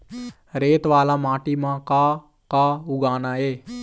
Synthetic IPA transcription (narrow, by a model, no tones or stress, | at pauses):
ɾeːt̪ʋaːlaːmãːʈiːmãːkaː | kaːʊɡaːnaːɦeː